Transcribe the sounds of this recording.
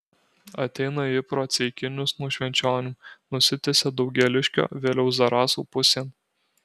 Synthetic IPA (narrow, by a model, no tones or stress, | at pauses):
ɐt̪ʲɛɪnɐɪpɾoːt̪sʲɛɪkʲɪnʲʊsnuɔʃʲʋʲɛnʲt͡ʃʲoːnʲuːnʊsʲɪt̪ʲesʲeːd̪ɒʊɡʲɛlʲɪʃʲkʲo̰ːʋʲeːlʲɛʊzɐɾɑːsṵːpʊsʲeːn